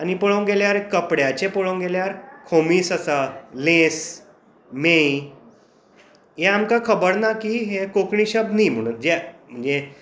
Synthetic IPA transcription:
añipəɭoŋɡeljaɾkəpɽjat͡ɕepəɭoŋɡeljaɾkʰomiːsəsalẽs | me | jɛamkakʰəbəɽnakiːɦekokɳiɕəbniːm̤əɽ̃uːnd͡ʑɛm̤əɳd͡ze

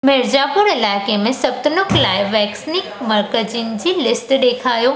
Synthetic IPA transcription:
mɪɾd͡ʑaːpʊɾɪlaːɪkemẽsɐb̚t̪nʊklaːɪʋɛːksnɪkmɐɾkəd͡ʑin̆d͡ʑiːlɪsʈɗeːkʰaːjoː

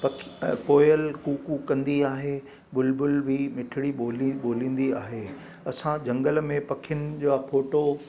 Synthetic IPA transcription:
pɐkʰkoːjəlkuːkukɐ̃nd̪iaːɦe | ɓʊlbʊlbʱimɪʈʰɪɽiɓoːliɓoːlĩːn̆d̪iaːɦe | ɐsãd͡ʑɐ̃ŋɡəl̆mẽpɐkʰijʊnɪ̆d͡ʑoːafoːʈo

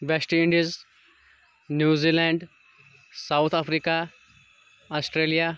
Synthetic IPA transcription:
ʋesʈĩɳɖiiz | njuːzilãɳɖ | sawt̪ʰafɾiːka | asʈɾelija

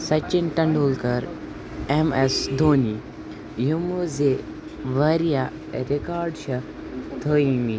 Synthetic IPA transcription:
sɐt͡ʃːinʈɐɳɖoːlkɐɾ | emesd̪ʱoːni | jumuze | ʋɐɾija | ɾekaːɾɖʃɐ | t̪ʰəːimi

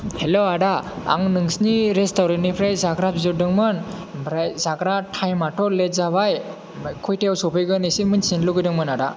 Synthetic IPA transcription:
heloaɽaa̰ŋnɯŋsniɾestawɾenipʰɾajzaɡɾapzɯdɯŋmɯnbɾajzaɡɾatʰajmatʰɔlezaβaj | kʰɔjtejawsɔpʰɯjɡɯnisimɯnsinluɡɯjdɯŋmɯnada

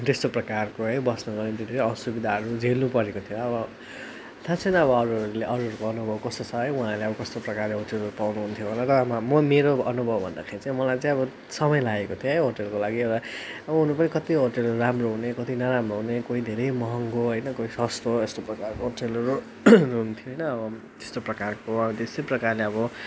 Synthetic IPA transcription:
t̪est̪oprʌkarkoɦʌjbʌsnʌɡʌrnet̪ed̪ʱeɾʌsubid̪ʱaɦʌɾud͡zʱelnupʌɾekot̪ʰijoʌbʌ | t̪ʰãt͡sʰʌnʌbʌʌɾuɦʌɾuleʔʌɾuɦʌɾukoʌnubʱʌbkʌst̪ot͡sʰʌɦʌjũɦãleʌbʌkʌst̪oprʌkarleɦoʈelɦʌɾupawnuɦunt̪ʰjobʱʌlaɾʌmamʌmeɾoʌnubʱʌbbʱʌnd̪a̰kʰaĩt͡sãj̃mʌlajt͡sãĩʌbʌ | sʌmʌjlaekot̪ʰjoɦjɦoʈelkolaɡiʌɾʌ | ʌbʌɦunupʌnikʌt̪iɦoʈelʌɾuɾamroɦunekʌt̪inʌɾamroɦunekoid̪ʱeɾʌjmʌɦʌŋɡoɦʌjnʌkoisʌst̪oest̪oprʌkarkoɦoʈelʌɾu | nuɦunt̪ʰijoɦʌjnʌːbʌ | t̪est̪oprʌkarkoʌbʌt̪eseprʌkarleʌbʌ

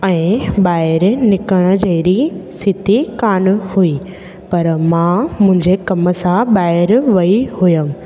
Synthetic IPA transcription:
ɛ̃ːɓaːɪɾnɪkəɽ̃ʊ̆d͡ʑɐɾisɪt̪ʰikaːnhui | pɐɾmãmʊ̃ɦɪ̃ɲd͡ʑekɐmə̆sãɓaːɪɾʋɐihujəm

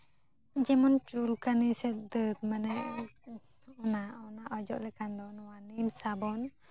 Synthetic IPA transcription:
d͡ʒɛmɔnt͡ʃulkanisɛt̪̚d̪ət̪̚manɛʔ | ɔnaɔnaʔɔd͡ʒɔ̰ʔlɛkand̪ɔnwaninsabɔn

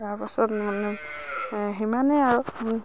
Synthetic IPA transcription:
aɹpasɔtmanɛ | ɦimanɛaɹu

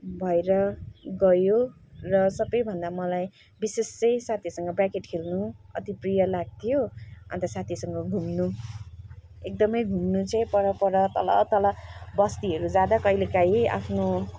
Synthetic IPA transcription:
bʱʌeɾʌɡʌjorʌsʌbʌjbʱʌnd̪amʌlaj | bisest͡sʌjsat̪ʰisʌŋɡʌbrakeʈkʰelnuʌ̰t̪iprijʌlaɡ̚t̪ʰijoʌ̰nt̪ʌsat̪ʰisʌŋɡʌɡʱumnu | ek̚d̪ʌmʌjɡʱumnut͡sʌj̃pʌɾʌpʌɾʌt̪ʌ̰lʌ̰t̪ʌlʌbʌst̪iɦʌɾud͡zad̪akʌjlekaia̰pʰno

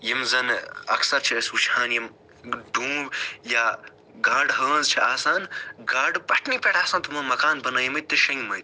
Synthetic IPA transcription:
jimzɐnɐ̰ksɐɾt͡ʃʰisut͡ʃʰaːnjim | ɖũːbjaː | ɡaːɖɦɐːnzt͡ʃʰiʔaːsaːnɡaːɖbɐʈnipʲeʈʰaːsaːnt̪umɐːmɐkaːnbɐnaːjɐmɐt̪̚t̪ːɨʃɐ̃ŋmɐt̪̚

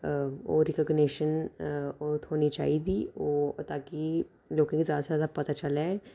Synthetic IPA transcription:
o̰ːɾɪkəɡneːʃənot̪ɦoːnit͡ʃa̰ːid̪ioːt̪aːki | loːkãkizjaːd̪asjaːd̪apɐt̪at͡ʃəlɛ

